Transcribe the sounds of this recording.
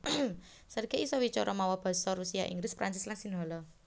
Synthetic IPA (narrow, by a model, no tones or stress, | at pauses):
sərɡeisɔwit͡ʃɔɾʔɔmawɔb̥ɔ̤sɔɾusiaʔḭŋɡlɪspɾansɪslansinɦɔlɔ